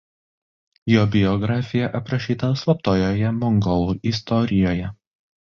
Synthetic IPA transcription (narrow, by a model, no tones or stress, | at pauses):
joːbʲɪjɔɡɾɑːfʲɪjɛʔɐpɾɐʃʲiːt̪ɐslˠɐp̚t̪oːjoːjɛmɔŋɡɔlˠuːʔiːst̪ɔɾʲɪjoːjɛ